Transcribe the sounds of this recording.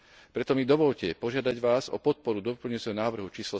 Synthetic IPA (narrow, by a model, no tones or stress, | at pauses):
pɾɛt̪ɔmid̪ɔʋɔʎcɛpɔʒɪad̪aɟʋaːzɔ̰pɔt̪̚pɔɾud̪ɔpl̩ɲut͡sɛɦɔnaːʋr̩ɦut͡ʃiːslɔ